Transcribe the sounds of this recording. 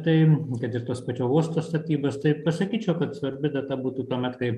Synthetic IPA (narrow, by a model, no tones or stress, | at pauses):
t̪ɐɪkɐt̪ɪrt̪oːspɐt͡ʃʲoːuɔst̪oːst̪ɐt̪ʲiːboːst̪ɐɪpɐsɐkʲiːt͡ʃʲɛʊkɐt̪sʋɐɾʲbʲɪd̪ɐt̪ɐbuːt̪uːt̪uɔmʲɛt̪kɐɪ